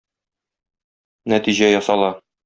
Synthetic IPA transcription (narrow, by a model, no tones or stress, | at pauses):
næt̪iʑæjɒsɑlˠɑ